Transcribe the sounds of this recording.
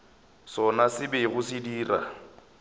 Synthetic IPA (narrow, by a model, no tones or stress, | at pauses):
sɔnasɪbɪɣʊsɪdiːra̰